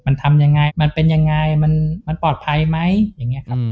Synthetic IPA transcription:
ma˧nt̪ʰa˧mja˧ŋa˧jma˧npe˧nja˧ŋːa˧jma˧nma˧npɔː˨˩t̪̚pʰa˧jma˦˥jjaː˨˩ŋːi˦˥ɐkʰa˦˥p̚

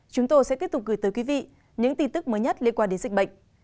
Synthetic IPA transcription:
t͡ɕʊ˨˦ŋ͡mt̪o˧jsɛ̰˧˥˦ət̚tʊ˨˩ɣɨː˧˨˩t̪əː˨˦kwi˨˦vḭ˧˨ | ɲɨ̰˧˥ŋt̪i˧nt̪ɨ˦˥k̚məː˨˦jɲə˦˥t̚li˧ənkwaː˧nɗe˨˦zi̟˨˩ɓə̰˧˨jŋ̟

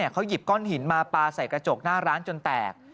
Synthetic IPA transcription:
i˥˩ɐkʰa˦˥wji˨˩p̚kɔ˥˩nhi˩˦nmaː˧paː˧sa˨˩jkɾa˧t͡ɕo˨˩k̚naː˥˩ɾaː˦˥nt͡ɕo˧nt̪ɛ̰ː˨˩k̚

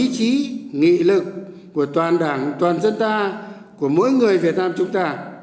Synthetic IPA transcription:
i˧˥t͡ɕi˨˦ŋḭ˧˨lɨ˨˩kː | u˧˩ət̪waː˨˩nɗaː˧˩ŋt̪waː˨˩nzə˧nt̪aː˧ | ku˧˩əmo̰˧˥˦jŋɨ˨˩əjvi˨˩ət̚naː˧mt͡ɕʊ˨˦ŋ͡mt̪aː˧

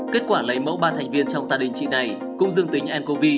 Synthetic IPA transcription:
ke˦˥t̚kwaː˧˩lə˨˦jmə̰˧˥wɓaː˧˩t̪ʰa˨˩ŋ̟vi˧ənt͡ɕɔ˧wŋ͡mt̪aː˧˩ɗï˨˩ŋ̟t͡ɕḭ˧˨na˨˩j | kʊ̰˧˥ŋ͡mzɨ˧əŋt̪i˨˦ŋ̟ʔɛ˧nko˧vi˧

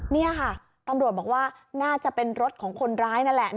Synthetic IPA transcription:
ni˥˩ɐkʰa˥˩ | t̪a˧mɾu˨˩t̪̚bɔː˨˩k̚waː˥˩ | naː˥˩t͡ɕa˨˩pe˧nɾo˦˥t̪̚kʰɔː˩˦ŋkʰo˧nɾaː˦˥jna˦˥nlɛ˨˩ʔ

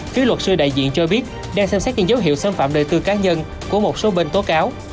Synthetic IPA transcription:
fi˨˦lwə˨˩t̚sɨ˧ɗa̰ː˧˨jzḭ˧˨ənt͡ɕɔ˧ɓi˦˥ət̚ | ɗaː˧ŋsɛ˧msɛ˦˥t̚ɲɨ̰˧˥ŋzə˨˦wɦḭ˧˨əwsaː˧nfa̰ː˧˨mɗə̰ː˨˩jt̪ɨ˧kaː˨˦ɲə˧n | ku˧˩əmo˨˩t̚so˨˦ɓe˧nt̪o˨˦˥kaː˨˦w

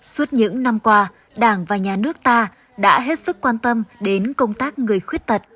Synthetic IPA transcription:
su˦˥ət̚ɲɨ̰˧˥ŋna˧mkwaː˧ | ɗaː˧˩ŋvaː˨˩ɲaː˨˩nɨ˦˥ək̚t̪aː˧ | ɗa̰ː˧˥ɦe˦˥t̚sɨ˦˥kːwaː˧nt̪ə˧mɗe˨˦nkə˧wŋ͡mt̪aː˦˥k̚ŋɨ˨˩əjxwi˦˥ət̚t̪ə˨˩t̚

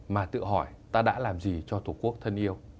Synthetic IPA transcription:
maː˨˩t̪ɨ̰˧˨əɦɔ˧˩j | t̪aː˧ɗa̰ː˧˥laː˨˩mzi˨˩t͡ɕɔ˧t̪ʰu˧˩ku˦˥ək̚t̪ʰə˧nʔi˧əw

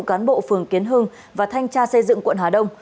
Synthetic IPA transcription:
kaː˨˦nɓo̰˧˨fɨ˨˩əŋki˨˦ənɦɨ˧ŋ | vaː˨˩t̪ʰa˧jŋ̟t͡ɕaː˧sə˧jzɨ̰˧˨ŋkwə̰˧˨nhɦaː˨˩ɗə˧wŋ͡m

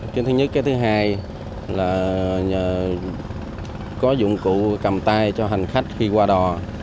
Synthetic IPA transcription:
knt̪ʰɨ˨˦ɲɨ˦˥kaː˨˦jt̪ʰɨ˨˦ɦaː˧j | laː˨˩˨ | kɔ˨˦zʊ̰˧˨ŋ͡mkṵ˧˨kə˨˩mt̪aː˧jt͡ɕɔ˧ɦa˨˩ŋ̟xa˦˥jk̟̚xi˧kwaː˧ɗɔ˨˩

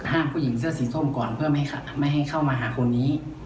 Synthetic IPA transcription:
ɦaː˥˩mpʰuː˥˩ji˩˦ŋs̬ɯ˥˩ɐsiː˨˩˦sʰo˥˩˨mkɔː˨˩npʰɯ˥˩ɐ˥˩ma˥˨jɦa˥˩jkʰa˥˩wmaː˧ɦaː˩˦kʰo˧nːiː˦˥

